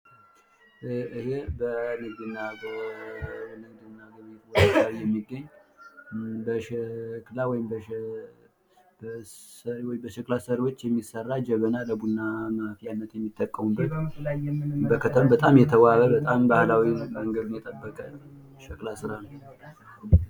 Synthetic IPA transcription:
ɨhebənəɡd̪ɨnːabə | nəɡd̪ɨnːaɡəβt̪wodawijɛmːiɡːəɲː | bəʃɛklawɔjɪmbə | bsəɾwɔjɪmbəʃɛklasəɾiwo̞t͡ʃːjɛmːisərːad͡ʒɛβənaləbunːamafijanːət̪jɛmːit̪ʼːəkʼːəmubəjbəkʰət̪ʰəmbət̪ʼamjɛt̪ʰəwaβəbət̪ʼambahlawinbəŋɡəd̪unjɛt̪ʼəbːəkʼə | ʃɛkʼlasɨɾanəw

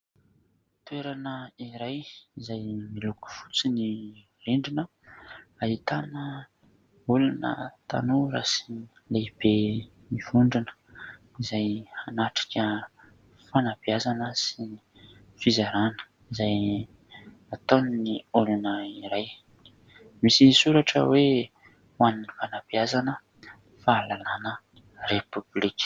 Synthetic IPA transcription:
t̪ueɾanəiɾajizajmiluku̥fu̥t͡sini | riɳɖ͡ʐinə | ait̪anə | ulunə̰t̪a̰nuɾa̰si̥ | leib̥e | mivuɳɖ͡ʐinə̥ | izajanaʈ͡ʂḁkʲə | fanapiazanəsi | fizaɾanə̥ | izaj | at̪onniulanəiɾaj | misisuɾaʈ͡ʂə̰we | waninifanapiazanə | faːlalanə | repyblikʲ

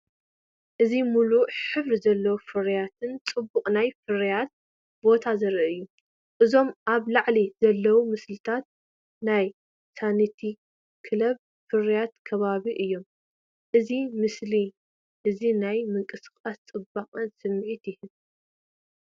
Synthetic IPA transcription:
ʔɨzimuluħɨβɾizɐlːɐwufɨɾjat̪ʰɨnt͡sʼɨbːukʼnajfɨɾijat̪̚ | bo̞t̪ʰazɐɾʔɐɨjːu | ʔɨzo̞mʔaβlaʕlizɐlːɐwumɨslɨt̪ʰat̪̚ | naj | sanit̪ʰi | kʰɨlɐβ | fɨrijat̪kʰɐβaβiʔɨjːo̞m | ʔɨzimɨsli | ʔɨzinajmɨŋkʼɨsɨxʼast͡sʼɨbaχʼɐnsɨmːʕit̪jɪhɨn

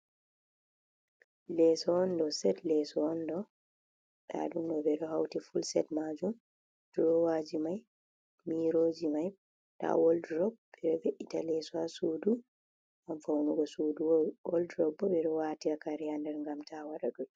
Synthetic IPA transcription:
lɛsɔːndɔsɛtlɛsɔːndɔ | ɗa̰ɗumdɔbɛɗɔhawtifulsɛtmad͡ʒum | d̥ɾɔwad͡ʒimajː | iɾoːd͡ʒimaj | ɗa̰wɔldɾɔbbɛɗɔveʔitalɛsɔasudu | ŋɡamfawnuɡɔsuduwɔldɾɔbːɔɓɛɗɔwaːtiakaɾɛhandɛɾŋɡamtʰawaɗaɡɔl

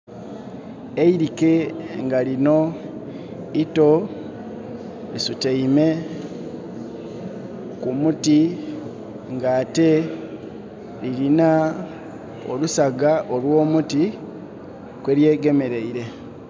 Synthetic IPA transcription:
eiɾikeŋɡalino̞ | ito̞ | lisuteime̞ | kumuti | ŋɡate̞ | ɾiɾina | o̰lusaɡaʔolwo̞ːmuti | kwe̞ːɾje̞ːɡe̞me̞ɾe̞iɾe̞

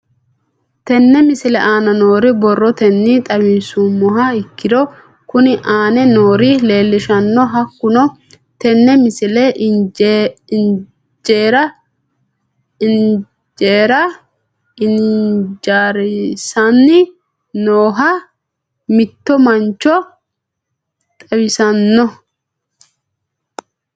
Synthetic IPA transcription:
t̪ɛnːɛmɪsɪlɛ̰ʔaːnɐno̞ːɾɪbɔrːɔt̪ɛnːit̪ʼɐbɪnsumːɔɦɐɪkːɪd̪ɔ | kʊnɪʔaːnɛnoːɾɪle̞ːlːɪʃɐnːɔɦɐkːʊnɔ | t̪ɛnːɛmɪsɪlɛ | d͡ʒeːɾɐ | ɪn | d͡ʒeːɾɐ | ɪnd͡ʒaːɾɪsɐnːɪ | noːɦa | mɪt̪ːɔmɐnt͡ʃːɔ | t̪ʼɐwɪsɐnːɔ

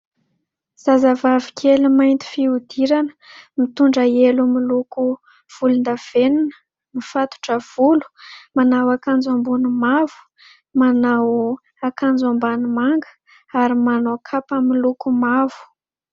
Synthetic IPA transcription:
z̥azavavikʲʰelimajnt̪i̥fiud̪iɾanə̥mit̪uɳɖ͡ʐəelumiluku | v̥ulund̪av̥eninə̥ | mifat̪u̥ʈ͡ʂəv̥ulu̥manawakand͡zambunumavu̥ | manaw | akand͡zambanimaŋɡə̥ | aɾimanokʰapəmilukumavu̥

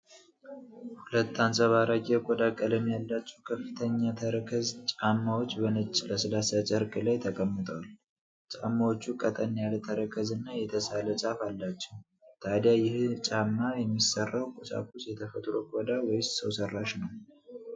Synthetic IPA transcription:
hulət̪ːansʼəβaɾaɡʼekʷʼɔd̪akʼələmjalːat͡ʃːuwkʰəfːɨt̪ʰəɲːat̪ʰəɾəkʰəzt͡ʃʼamːawo̞t͡ʃːbənɨt͡ʃʼːləsɨlasat͡ʃʼəɾkʼɨlajt̪ʰəkʼəmːɨt̪ʼəwal | t͡ʃʼamːawot͡ʃːukʼət̪ʼənjalət̪ʰəɾəkʰəzɨnːajɛt̪ʰəsalət͡ʃʼafalːat͡ʃːɛw | t̪ʰad̪jajɪht͡ʃʼamːajɛmːisərːawkʼusa̰kʰusjɛt̪ʰəfət̪ʼɾokʷʼɔd̪awɔjssəwsərːaʃnəw

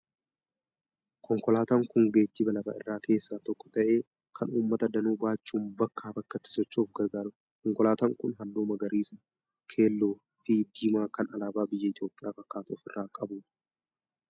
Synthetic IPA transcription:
kʰɔŋkɔlaːt̪aːŋkʊŋɡeːt̪ːiːbɐlɐfa̰ːɪ̰rːaːke̞ːsːaːt̪ɔkːɔ̥t̪ɐʔe̞ː | kʰɐnuːmːɐt̪ɐd̪ɐnuːbaːt͡ʃːuːmbɐkːaːbɐkːɐt̪ːɪ̥sɔt͡ʃːuːfɡɐɾɡaːɾʊ | kɔŋkɔlaːt̪aːŋkʊnɦɐlːoːmɐɡɐɾiːsɐ | kʰe̞ːlːoː | fid̪iːmaːkɐnɐlaːbaːbɪjːɐɪt̪joːpʼɪjaːkʼɐkːaːt̪oːfɪrːaːkʼɐbuːᶑ

